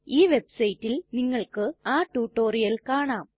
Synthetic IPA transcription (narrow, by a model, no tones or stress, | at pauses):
iːʋebsɐjitːilniŋːɐɭkɨaːʈːuːʈːoːrijɐlkaːɳaːm